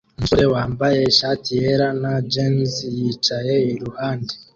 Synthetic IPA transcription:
unsuɾe̞waːmbaje̞ʃatijeɾanad͡ʒenzjiːt͡ʃaje̞iɾuhaːnde

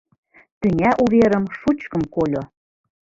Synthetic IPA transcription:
t̪yŋʲæʔuβeɾəmʃut͡ɕkɤ̆mkolʲo

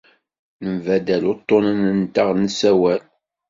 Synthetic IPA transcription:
nəmvæd̪ælʊt̪ˤːonənənt̪aʁnəsæwæl

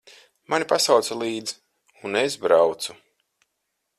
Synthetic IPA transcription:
manipasawt̪salˠiːd̪z | unesbɾawt̪su

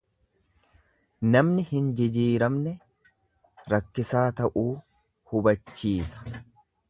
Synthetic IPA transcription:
nɐmnɪhɪnd͡ʒɪd͡ʒiːɾɐmnɛ | ɾɐkːɪsaːt̪ɐʔuː | hʊbɐt͡ʃːiːsɐ̥

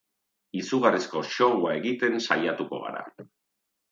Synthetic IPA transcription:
isuɣ̞arisko̞ʃo̞ɣwae̞ɣit̪e̞nsajat̪uko̞̰ɣa̰ɾa̰

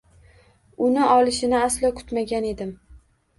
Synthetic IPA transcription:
ʊnɪʔɒlˠɪʃɪnɪaslɒkʰʊ̥t̪maɡʲane̞d̪ɪm

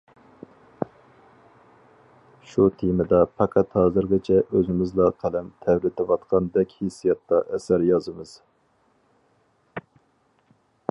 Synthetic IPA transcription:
ʃut̪ʰimɪd̪ɑpʰɑqʰæt̪hɑːzɨɾɡʲɛt͡ʃʰɛʔøzɪmɪzlˠɑqʰælɛmt̪ʰɛwɾɪd̪ɛvɑt̪qʰɑnd̪ɛkʲhesːijɛt̪ːɑʔɛsæɾjɑzɨmɨz̥

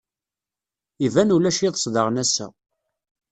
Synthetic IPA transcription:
ivænulæʃiðˤəsˤðɑʁnæsæ̰

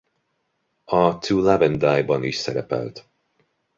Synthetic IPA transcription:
ɒt̪ulavɛnd̪aːjbɒniʃsɛɾɛpɛ̰lt̪

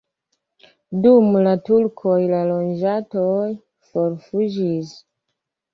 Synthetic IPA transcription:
dumlatulkʰojlalond͡ʒatoj | foɾfud͡ʒis

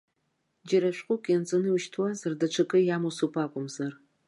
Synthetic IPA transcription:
d͡ʒaɾaʃʷᶣqʷʼʊkʲʼjant͡sʼɨnɨuʃtʰwazardaʈ͡ʂʷʰakʼɨjamusupʰʼakʷʼʊmzar

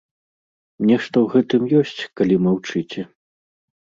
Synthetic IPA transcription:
mnʲɛʂt̪ɔwɣɛt̪ɨmjɔsʲt͡sʲkalʲimawt͡ʂɨt͡sʲɛ

